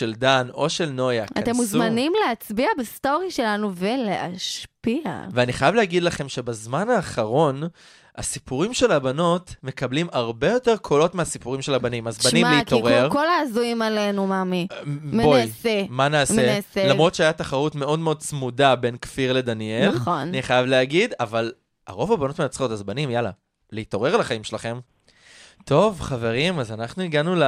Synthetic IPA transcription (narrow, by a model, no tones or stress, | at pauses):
ʃe̞ld̪ano̞ʃe̞lno̞jakatat̪emuszmanimleat͡sbiabesto̞ʁiʃe̞lanuveleʔa̰ʃpia̰veaniχajavlehaɡidlaχe̞mʃe̞bazmanaːχaʁo̞n | a̰sipuʁimʃe̞labano̞tme̞kablimaʁbe̞jo̞te̞ʁkʰolo̞tmeasipuʁimʃe̞labanimazbannimleit̪o̞ʁeʁkolaːzuimalenumamimbojsemanaːseselamʁo̞t̪ʃeajataχaʁutme̞o̞dme̞o̞d̪̚t͡smudabe̞nkfiʁle̞d̪aniellχonaniχajavleaɡidaval | a̰ʁo̞vabano̞tmenat͡sχo̞tazbanimjala̰ | leitoʁe̞ʁalaχaimʃelaχe̞m | tʰo̞vχave̞ʁimazanaχnuiɡanul